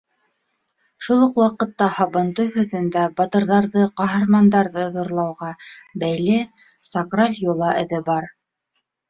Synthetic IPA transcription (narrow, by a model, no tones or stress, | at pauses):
ʃulˠɤqwɑqɤ̆t̪ːɑhɑβɤ̆nt̪ujhʉðɘ̆nd̪æbɑt̪ɤ̆ɾðɑɾðɤqɑɦɤ̆ɾmɑnd̪ɑɾðɤðŏɾlˠɑwʁɑbæjlɘ | sɑkralʲjulˠɑʔɘ̆ðɘbɑɾ